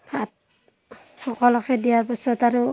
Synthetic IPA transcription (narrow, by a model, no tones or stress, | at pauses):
hat̚ | hɔkɔlɔkɛdijaɾbɔsɔtaɾu